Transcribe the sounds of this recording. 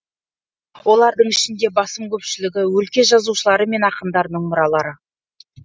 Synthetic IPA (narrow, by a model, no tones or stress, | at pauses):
wo̞lˠɑɾd̪əɴɪʃɪnd̪e̞bɑsəmkʲʰɵpʃɪlɪɡʲɪwɵlkʲe̞ʒɑzuʃəlˠɑɾəme̞nɑqəmd̪ɑɾnəɴmʊɾɑlˠɑɾə